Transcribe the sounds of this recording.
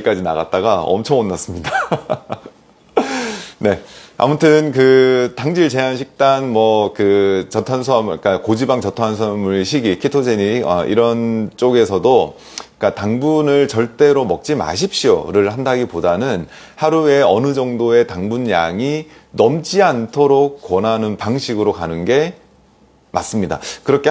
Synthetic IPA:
k͈ad͡ʑina̰ɡɣat̚t͈aɡaʌ̰mt͡ɕʰʌŋonːas͈ɯmɲida | ne̞a̰mutʰɯnkɯtaŋd͡ʑiɭt͡ɕe̞janɕʰik̚t͈anmwʌkɯt͡ɕʌtʰwans̬ʰamk͈akod͡ʑibaŋt͡ɕʌtʰwansʰmɯɭɕʰiɡikʰitʰod͡ʑeɲiʌ̰ʔḭɾʌnt͡ɕ͈oɡe̞sʰʌdo | k͈ataŋbunɯɭt͡ɕʌɭt͈e̞ɾomʌk̚t͡ɕ͈ima̰ɕ̬ʰip̚ɕ͈io̰ɾɯɭhandaɡipodanɯn | haɾue̞ʌnɯd͡ʑʌŋdoe̞taŋbunjaŋi | nʌmt͡ɕ͈iantʰoɾok̚k͈ːwʌnanɯnpaŋɕʰiɡɯɾokanɯnɡe̞ | ma̰s͈ɯmɲida̰kɯɾʌkʰe

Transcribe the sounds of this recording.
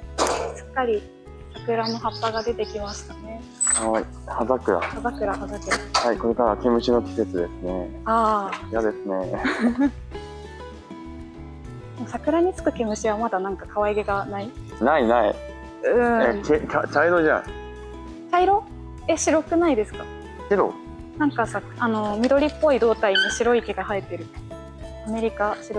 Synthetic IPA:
ɕɨ̥kːaɾʲi | sakɯ̟ɾano̞hapːaɡad̪e̞t̪e̞kʲimaɕi̥t̪ane̞ | hai | hazakɯ̟ɾa̰hazakɯ̟ɾahazakɯ̟ɾahaiko̞ɾe̞kaɾake̞mɯ̟ɕino̞kʲi̥se̞t͡sɨd̪e̞sɨne̞ajad̪e̞sɨne̞ | mmosakɯ̟ɾaɲ̟it͡sɨ̥kɯ̟ke̞mɯ̟ɕiβamad̪anãŋkakaβaiɡe̞ɡanai | nainaḭ | ɯ̟̃ekekat͡ɕaiɾo̞ʑa̰ | t͡ɕaiɾo̞ | e̞ɕiɾo̞kɯ̟naid̪e̞sɨ̥ka | ɕiɾo̞̰ | nãŋkasakʔano̞mʲid̪o̞ɾʲipːo̞id̪o̞ːt̪ainoɕiɾo̞ike̞ɡahaet̪ːe̞ɾɯ̟ | ame̞ɾʲikaɕiɾo

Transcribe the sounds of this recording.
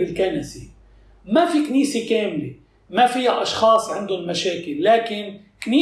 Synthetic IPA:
bɪlkanase | mafikniːsekeːmle | mafijaʔɑʃxɑːsˤʕɪnd̪ʊnmaʃeːkɪlːaːkɪn | kniː

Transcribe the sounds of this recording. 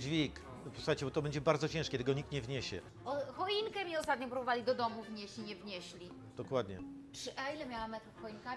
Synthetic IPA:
d͡ʑvʲik | pɔsu̥xajt͡ɕɛbɔt̪ɔbɛɲd͡ʑɛbaɾd̪zɔt͡ɕɛ̃ʂkʲed̪ɘɡɔɲik̚t̪ɲɛvɲeɕɛ̰ | ɔxɔiŋkɛmʲɲɛɔst̪at̪̚ɲɔ̃pɾubɔvalʲid̪ɔd̪ɔmuvɲeɕt͡ɕiɲɛvɲeɕlʲi | d̪̥ɔkwad̪ɲɛpʂɨʔailɛmʲjawamːɛt̪ɾufxɔinka

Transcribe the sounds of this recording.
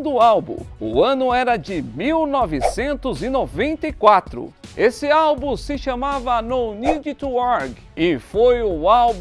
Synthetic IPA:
d̪ʊawbṵ̃ʊ̰ɐ̃nʊɛɾɐd͡ʒɪmiwnɔvɪsẽnt̪ʊzɪnovẽnt̪ɐjkwat̪ɾʊ̰esɪawbũsɪʃɐmavɐnownid͡ʒɪt̪uɔɾɡ | ɪfojʊawb

